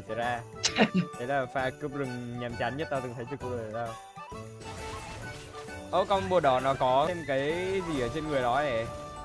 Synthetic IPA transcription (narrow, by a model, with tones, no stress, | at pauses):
t͡ɕə˨˧˩zaː˧ | ke˨˦laː˨˩faː˧kɨ˧˥əp̚zɨ˨˩ŋɲa˨˩mt͡ɕa˨˦nɲə˦˥t̚t̪a˧t̪ɨ˨˩ŋt̪ʰə˨˦jt͡ɕɨ˧˩ku˧zə˨˩˨t̪aː˧w | ʔɨ˧˩ | ʔo˧˩kɔ˧wŋ͡mɓu˨˩əɗɔ˨˩nɔ˨˦kɔ˨˦e˧mkaː˨˦jzi˨˩ʔəː˧˩t͡ɕe˧nŋɨ˨˩əjɗɔ˨˦ʔə˧˩˨